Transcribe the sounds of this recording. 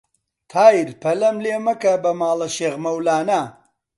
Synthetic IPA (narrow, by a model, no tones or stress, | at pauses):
t̪ʰaːjiɾpʰɐlɐmleːmɐkɐbɐmaːlɐʃeːɣmɐwlaːna